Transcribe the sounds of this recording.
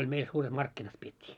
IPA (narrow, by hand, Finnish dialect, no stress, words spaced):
olʲ meil suːret mɑrkːinɑt pietʲːiː